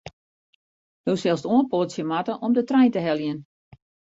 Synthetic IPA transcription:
howsɛlˠstuənpotsjəmatəʔɔmdətrɛjntəɦɛljən

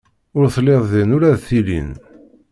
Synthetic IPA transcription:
ʊɾθlːeðˤðinʊɾæðθilḭn

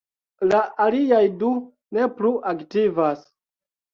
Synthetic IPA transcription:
laʔaliajdu | ne̞pluʔaktivas

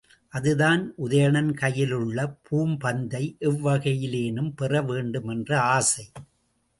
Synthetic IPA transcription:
ʔɐðɯðaːnʔʊðɐjɐɳɐnkɐjɪlɯɭːɐpʰuːmpɐnd̪ɐɪʔɪʋːɐɣɐjɪleːnɯmpɛrɐʋeːɳɖɯmɛndrɐaːsɐɪ

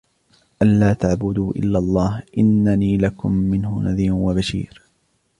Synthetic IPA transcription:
ʔanlaːt̪aʕbʊd̪uːʔɪ̰lːalˤːɑːhʔɪnːaniːlakʊ̰mːɪnhʊ̰naðiːmwabaʃḭːɾ

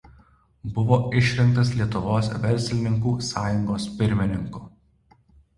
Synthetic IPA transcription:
bʊʋoːʔɪʃʲɾʲɪŋkt̪ɐslʲiɛt̪ʊʋoːsʋʲɛɾʲˑsʲlʲɪnʲɪŋkuːsɑːjʊŋɡoːspʲɪɾʲmʲɪnʲɪŋkuː

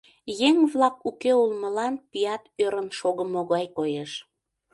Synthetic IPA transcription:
jeŋβlɑkukeulməlɑnpijɑt̪øɾənʃoɣəmoɣɑjkojeʃ

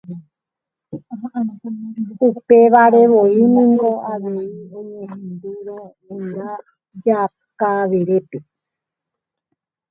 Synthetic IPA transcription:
upeʋaɾe̞ʋo̞inĩŋɡo̞ʔaʋeiõɲẽɦẽnd̪uɾo | õɾa | d͡ʒa | kaʋeɾepe

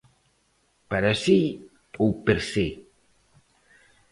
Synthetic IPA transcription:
paɾasi | owpeɾse

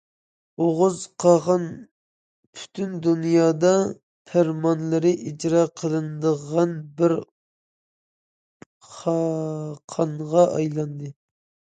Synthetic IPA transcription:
oʁʊzqʰɑʁɑn | pʰy̥t̪ʰynd̪unjɑːd̪ɑ | pʰæɾmɑnlˠɨɾɪʔid͡ʒɾɑqʰəlˠɨnd̪əʁɑnbɪɾ | χɑqʰɑɴʁɑʔɑjlˠɑnd̪ɨ

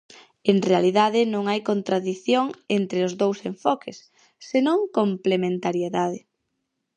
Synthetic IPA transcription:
eŋrealiðaðɪnõŋajkont̪ɾaðiθjoŋent̪ɾeʊzðowseɱfɔkʰɪsː | enõŋkomplemẽnt̪aɾjeðaðɪ

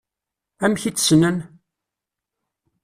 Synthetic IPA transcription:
æmçit͡sːsnən

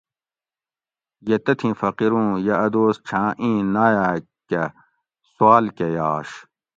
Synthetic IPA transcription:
jet̪ɐt̪ʰĩfɐqiɾũːjɐɐd̪oːst͡ɕʰãːʔĩːnaːjaː | ke | swaːlkejaːɕ

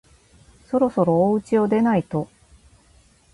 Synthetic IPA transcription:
so̞ɾo̞so̞ɾo̞ːɯ̟t͡ɕio̞d̪e̞nait̪o̞

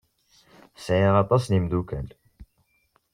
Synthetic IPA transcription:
sʕiʁɑt̪ˤɑsnimd̪ukæl

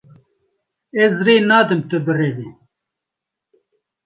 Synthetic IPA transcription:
ezɾeːnaːd̪ɨmt̪ɨbɨreːviː

